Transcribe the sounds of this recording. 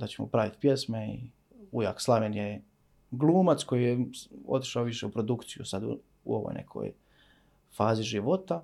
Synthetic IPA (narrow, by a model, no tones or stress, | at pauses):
d̪at͡ɕemo̰pɾaʋit̪pjesmeḭ | uja̰ːkslˠaʋenje | ɡlˠuːmat̪sko̞jijeo̰t̪i̥ʃaoʋiʃe̞upɾo̞d̪ukt̪sijusad̪ṵ | ṵo̰ʋo̰jnʔe̞̰kʰo̰j | faːziʒiʋo̞t̪a